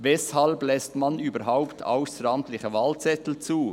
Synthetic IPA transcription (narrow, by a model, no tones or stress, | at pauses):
vɛshɑlblɛstmanyːbəɾɦaʊpt̪ʰa̰ʊsɾɑmt̪lɪçəvɑlt͡sɛt̪l̩t͡suː